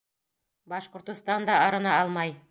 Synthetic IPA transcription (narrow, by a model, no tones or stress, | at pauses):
bɑʃqŏɾt̪ŏst̪ɑnd̪ɑɑɾɤ̆nɑɑlˠmɑj